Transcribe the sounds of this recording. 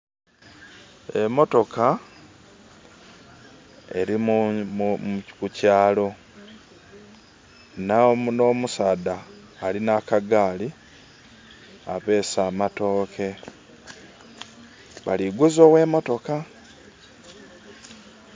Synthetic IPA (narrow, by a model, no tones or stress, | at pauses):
e̞mo̞to̞ka | e̞̰ɾimu | kucaːlo̞ | nano̞ːmusaːdaː | linakaɡaːli | aβe̞ːsaːmato̞ːkʰe̞ | βaliɡuzo̞ːwe̞ːmo̞to̞ka